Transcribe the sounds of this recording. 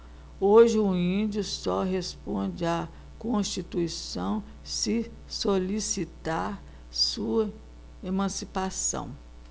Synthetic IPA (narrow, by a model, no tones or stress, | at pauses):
oʒɪʊĩd͡ʒʊsɔɦespõd͡ʒɪa | kõst͡ʃit̪uisɐ̃w̃ | sɪ | solisit̪aɾ | suɐ | emɐ̃sipasɐ̰̃w̃